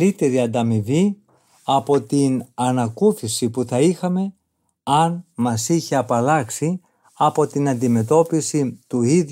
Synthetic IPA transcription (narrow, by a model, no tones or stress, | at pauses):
it̪e̞ɾiɐnd̪ɐmivi | ɐpo̞t̪inɐnɐkuθisipuθɐixɐme̞ | ɐnmɐsiçe̞ɐpɐlɐksi | ɐpo̞t̪inɐnd̪ime̞t̪o̞pisit̪uið